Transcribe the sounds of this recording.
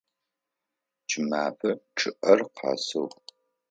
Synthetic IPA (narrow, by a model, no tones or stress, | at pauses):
t͡ʃʰʼɪmaːfɐʈ͡ʂʼʰɨʔɐrqʰɑ̰ːsɐw